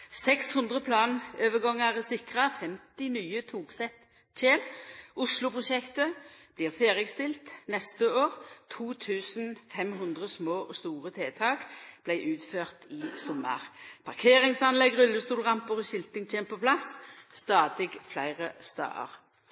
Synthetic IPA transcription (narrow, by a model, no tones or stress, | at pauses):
sɛkshʉnd̪ʁəpʰlɑːnøːʋəɡɔŋːɑʁəsɪkʁɑfɛmt̪ɪnyːət̪ʰuːɡsɛt̪ | t͡ʃeːlʔʊslʊpʁʊʃɛkt̪əb̥liːʁfeːʁəst̪ɪlt̪nɛst̪əoːʁt̪ʰuːt̪ʰʉːsn̩fɛmɦʉnd̪ʁəsmoːʔɔst̪uːʁət̪ʰeːt̪ʰɑːkb̥læɪʔʉːt̪føːʁt̪ɪsɔmːə̰ʁpʰɑʁkʰeːʁɪŋsɑnlɛɡʁʉlːəst̪uːlʁɑmpʊʁɔɕɪlt̪ɪŋt͡ʃʰeːmpʰɔplɑsst̪ɑːd̪ɪɡflæɪʁəst̪ɑ̰ːə̰ʁ